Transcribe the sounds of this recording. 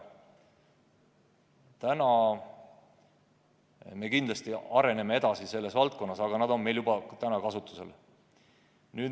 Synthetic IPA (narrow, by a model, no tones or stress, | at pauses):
t̪ænɑ | me̞kind̪lɑst̪iɑɾe̞ne̞mee̞d̪̥ɑsise̞lːe̞svɑlt̪̚ko̞nːɑsɑɡ̥ɑnɑd̪̥o̞nme̞jljubɑt̪ænɑkɑsut̪ːˑu̥se̞̰l | nyː